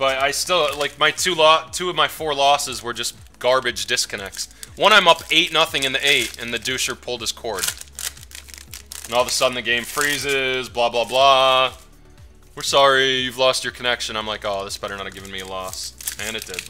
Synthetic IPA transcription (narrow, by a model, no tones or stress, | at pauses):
b̥ʌɾaɪstɪlˠlaɪk̚maɪtʰʉlɔtʰʉʌvmaɪfɔɹlɔsɨzwə˞d͡ʒʌs | ɡ̥ɑɹbɨd͡ʒdɪskʰɨnɛk̚tswʌ̃ɾ̃ãɪ̃mʌpeɪtⁿnʌθɪ̃ŋɨ̃nðiʔeɪtɨ̃nðɨdʉʃə˞pʰʊlˠd̚ɨz̥kʰɔɹd | ɨ̃nɔlˠðəsʌdⁿn̩ðɨɡẽɪ̃ɱfɹizɪzblablabla | wɨɹsɑɹijʉvlɔst͡ʃə˞kʰɨnɛkʃɨ̃nãɪ̃mlaɪkoʊðɪsb̥ɛɾə˞nəɾɡɪvɨ̃nmiɨlɔsɨ̃ñɨt̚d̥ɪd̥̚